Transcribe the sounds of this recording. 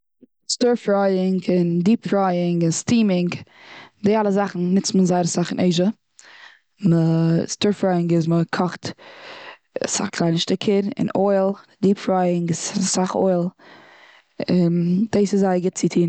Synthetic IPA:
stuɹfɾaɪɪŋɡɪndiːpfɾaɪɪŋɡɪnstiːmɪŋɡdɪalˠəzaχn̩nɪt͡smənzaɪɾəsaχɪnʔeɪʒə | məstuɹfɾaɪɪŋɡɪzməkʰɔχt | sa̰χkʰlˠaɪnəʃtɪkʰɪɾɪ̰nɔɪlˠdiːpfɾaɪɪŋɡɪz̥saχɔ̰ɪlˠ | ɪnd̥eɪsɪzaɪəɡɪt̚t͡sɪtʰiːn

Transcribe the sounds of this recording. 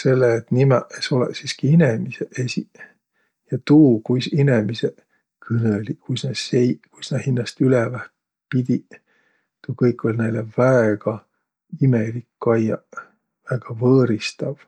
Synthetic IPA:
se̞lːeːt̪nimɛʔeso̞lḛsiskiinemiseʔesi | jɑt̪uːkujsinemise | kʰɨnelikujsnɑsejkujsnɑhinːɑst̪ylevæht̪ | pid̪̥ʲi | t̪ukɤjkʰːˑo̞lʲnæjlevæeɡ̥ɑ | imelikːɑjɑ | væɡ̥ɑvɤːɾist̪ɑv̥

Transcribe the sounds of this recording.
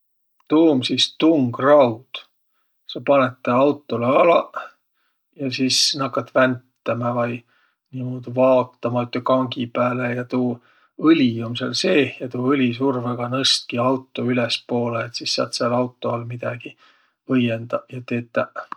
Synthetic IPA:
t̪uːmsist̪uŋɡ̥rɑwd̪̥ | sɑpɑnet̪ːˑeɑwt̪ːˑoleɑlɑ | jɑsiːsnɑkːɑt̪ːvænt̪ːɑmɑvɑj | nimoːd̪̥vɑːt̪ːɑmɑyt̪ːekɑŋɡipæːlejɑt̪uː | ɤlʲiumsḛlse̞ːjɑt̪uːɤlʲisurveɡ̥ɑnɤst̪̚kiɑwt̪ːˑoylespo̞ːleːt̪sisseɑ̰t̪selɑwt̪ːˑoɑlmid̪̥ɑɡ̥i | ɤjend̪ɑjɑt̪eːt̪ːˑɑ

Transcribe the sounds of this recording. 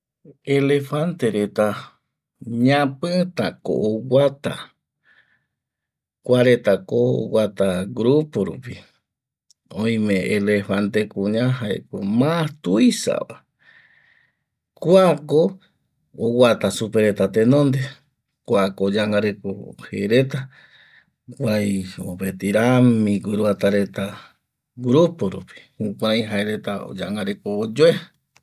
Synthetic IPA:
elefant̪eɾet̪a | ɲãpɨt̪ako̰ʔowat̪a̰ | kʷaɾet̪akoo̰wat̪aɡɾupoɾṵpi | õj̃mẽelefant̪ekũɲãɦaekʷemat̪uisa̰βa | kwako | owat̪asupeɾet̪at̪enõnd̪e | kʷakood͡ʒaŋaɾekohḛɾet̪a | kʷajo̰pet̪iɾamĩɡɨɾuat̪aɾe̞t̪a | ɡɾupoɾupi̥hũkʷaaj̃ɦaeɾet̪ao̰d͡ʒaŋɡaɾekoːd͡ʒoe

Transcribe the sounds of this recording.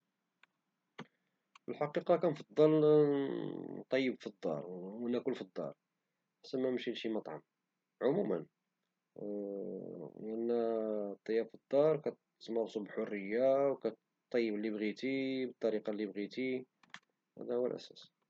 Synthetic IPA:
fəlħɑqiqɑkænfɑd̪ˤːɑl | t̪ˤːɑjːəbfid̪ˤːɑ̰ɾˤwænːækʊlfid̪ˤːɑ̰ɾˤ | ħḁsːæmænəmʃinʃimɑt̪ˤʕɑ̰m | ʕʊmumə̰n | ʔənːæt̪ˤːɑjːɑbfid̪ˤːɑɾˤkæ | mɑrˤsubəlħorːəjːawkæ | t̪ˤːɑjːəblːibɣit̪ibət̪ˤːɑɾiqɑlːibɣit̪i | hæ̰d̪æhʊwːəlʔæ̰sæ̰s

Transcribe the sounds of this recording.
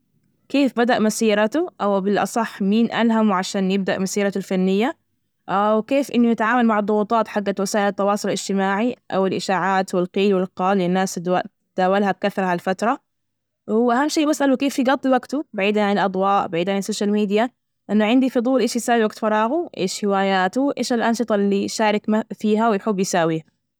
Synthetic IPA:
keːfbad̪aʔmasiːɾˤɑt̪uʔawbɪlʔɑ̰sˤɑħːmiːnʔa̰lɦamwʕaʃaːnjɪb̚d̪aʔmasiːɾˤɑt̪lfanːɪjːa | ʔawkeːfʔɪnːʊjɪt̪ʕaːmalmaʕd̪ˤːʊɣuːt̪ˤɑːt̪ħaɡːawasaːʔɪlat̪ːɑwɑːsˤʊlɪlɪd͡ʒ̥t̪ɪmaːʕiʔawɪlʔɪʃaːʕaːt̪wɪlqiːlwɪlqɑːlɪnːaːsa | d̪̥aːwalhab̚kaθɑɾˤɑhalfat̪ɾˤɑ | wʔaɦamːʃeːbasːʔalukeːfːiɡɑt̪ˤːiwaɡt̪ubaʕiːd̪haʕanɪlʔɑd̪ˤwɑːʔbaʕiːd̪ʕanɪsːoːʃalmiːd̪ja | ʔɪnːʊʕɪnd̪ifʊd̪ˤuːlʔeːʃjɪsaːwiwaɡt̪fɑɾˤɑːɣuʔḛːʃħɪwaːjaːt̪uʔḛːʃalʔɑnʃɨt̪ˤɑlːiʃaːɾˤɪkfiːɦawɪjħɪbːjsaːwiːha

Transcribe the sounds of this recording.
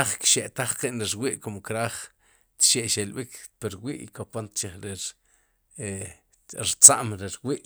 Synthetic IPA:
χkʃeʔt̪aχqiʔnɾiɾwiːʔkumkɾaːχ | t̪ʃeʔʃelɓikpiɾwiːʔikopont̪t͡ʃeχɾeɾ | e | ɾt͡saʔmɾiɾwiːʔ

